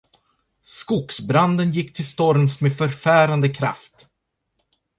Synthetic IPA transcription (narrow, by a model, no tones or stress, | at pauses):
skʊksbɾand̪ənjɪkːt̪ʰɪlst̪ɔɾmsmefœɾfæːɾand̪əkʰɾa̰ft̪